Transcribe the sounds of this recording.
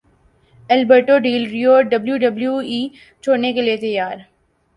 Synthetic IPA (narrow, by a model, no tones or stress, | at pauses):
ɛlbəɾʈoɖiːlɾijoːɖɐbljuɖɐbljuiː | t͡ʃʰoːɽnekeliet̪ɐjaːɾ